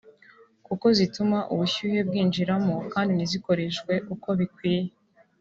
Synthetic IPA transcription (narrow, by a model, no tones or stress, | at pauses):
kuko̞zitumaʔuβuçuːhe̞b̚ɡiːnd͡ʒiɾamokaːndiniziko̞ɾeʃkwe̞ʔuko̞βikwiːje